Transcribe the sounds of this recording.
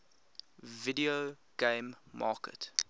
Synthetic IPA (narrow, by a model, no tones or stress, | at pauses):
vidio | ɡ̥ẽɪmː | ɑ̰ːkʰə̰t